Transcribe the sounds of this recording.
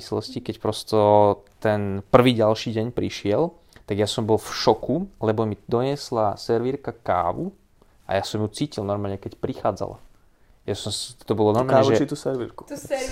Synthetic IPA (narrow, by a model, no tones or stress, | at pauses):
islɔ̰scikɛcpɾɔst̪ɔt̪ɛnpr̩ʋiːɟalʃiːɟɛɲpɾiʃɪɛl | t̪aɡjasɔmbɔlˠfʃɔkulɛbɔmid̪ɔɲɪɛslasɛɾʋiɾkaka̰ːʋu | ʔa̰jasɔmjut͡siːcilˠnɔɾmaːlɲɛkɛcpɾixa̰ːd͡za̰la̰ | jasɔmst̪ɔbɔlɔnɔɾmaːɲɛʒɛit̪usɛɾʋḭɾku̥